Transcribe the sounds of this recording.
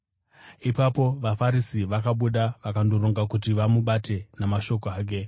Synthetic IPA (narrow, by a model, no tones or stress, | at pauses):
ipapo̞ʋafaɾisiʋakaɓuɗaʋakandoɾoŋɡakut̬iʋamuɓate̞namaʃo̞koaːk̬e̞